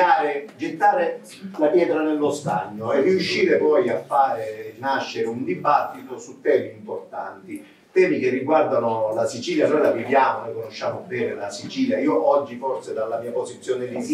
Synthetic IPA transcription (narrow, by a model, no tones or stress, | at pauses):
aːɾed͡ʒet̪ːaːɾe | lapjɛːt̪ɾanelːost̪aɲːoɛrːiuʃːiːɾepɔjafːaːɾenaʃːeɾeund̪ibat̪ːit̪osut̪ːɛːmiimport̪a̰nt̪i | t̪ɛːmikerːiɡward̪anolasit͡ʃiːljanojlavivjaːmolekonoʃːaːmobɛːnelasit͡ʃiːljaiːoʔɔd͡ʒːiforsed̪alːamiːapozit̪sːjoːned̪is